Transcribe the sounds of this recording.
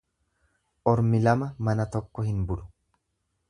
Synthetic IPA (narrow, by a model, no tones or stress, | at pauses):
ʔɔɾmɪlɐmɐmɐnɐt̪ɔkːɔhɪnbʊlʊ̥